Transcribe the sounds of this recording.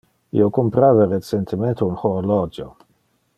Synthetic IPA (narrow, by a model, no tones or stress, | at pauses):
ḭokompɾavaɾet͡sent̪ʰement̪ʰeunxolɔd͡ʒo